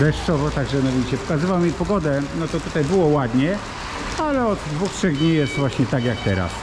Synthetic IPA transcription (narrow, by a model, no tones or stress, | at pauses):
d̪ɛʂt͡ʂɔvɔt̪aɡmʲanɔvʲit͡ɕɛpɔ̥kazɘvawmʲipɔɡɔd̪ɛnɔt̪ɔt̪ut̪ajbɘwɔwad̪ɲɛ | alɛɔd̪d̪vuxtʂɛɣd̪ɲijɛst̪vwaɕɲɛt̪aɡjak̚t̪ɛɾa̰s